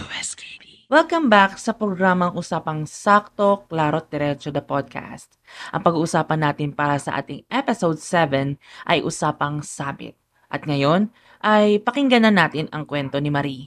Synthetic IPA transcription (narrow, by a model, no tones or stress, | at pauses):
ɛs | wɛlkɐmbaksɐpɾoɡɾaːmɐŋʔusaːpɐŋsak̚t̪o̞klaːɾot̪̚d̪ɛɾɛt͡ʃod̪ɐpod̪̚kʰa̰st̪̚ʔɐ̰ŋpɐɡuːʔʊsaːpɐnːaːt̪ɪnpaːɾɐsɐʔa̰ːt̪ɪŋʔɛpɛsowd̪̚sɛvɛnʔɐ̰jʔʊ̰saːpɐŋsaːmɪ̰t̪̚ | ʔɐt̪̚ŋɐjo̞n | ʔɐjpɐkɪŋɡɐnɐnːaːt̪ɪnɐŋkwɛnt̪o̞nɪmɐɾi